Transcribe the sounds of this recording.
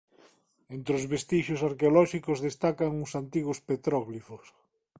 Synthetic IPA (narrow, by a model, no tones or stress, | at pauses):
ent̪ɾeozβest̪iʃʊsaɾkeolɔʃikʊzðest̪akaŋusant̪iɣʊspet̪ɾɔɣlifos